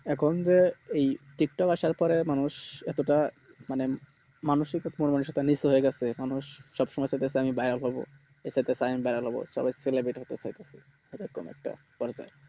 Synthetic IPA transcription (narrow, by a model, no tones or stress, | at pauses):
ɛkʰond͡ʑeejʈik̚ʈɔkaʃaɾpɔɾemanuʃɛt̪oʈa | mane | manoʃikɔt̪monmanuʃɛt̪anisoɦoeɡɛt͡ɕʰemanuʃːɔbʃɔmɔjsat̪esʰeamibajɾalɦɔbo̰ | esat̪esʰeamibajɾalɦɔbo̰ʃɔ̰bajselebɾeʈɦot̪et͡ɕajt̪esʰe̥ | bekːo̰mɛ̰k̚ʈa̰ | pɔɾd͡ʑa̰e